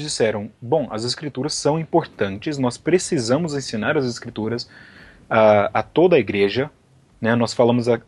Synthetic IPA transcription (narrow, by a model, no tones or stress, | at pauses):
d͡ʒisɛɾɐ̃w̃bõw̃ɐ̰zeskɾit̪uɾɐsːɐ̃w̃ĩpoɾt̪ɐ̃nt͡ʃɪsnɔspɾesizɐ̃mʊzẽsĩnaɾɐzeskɾit̪uɾɐs | aat̪od̪ɐiɡɾeʒɐ | nɛnɔsfalɐ̃mʊzɐ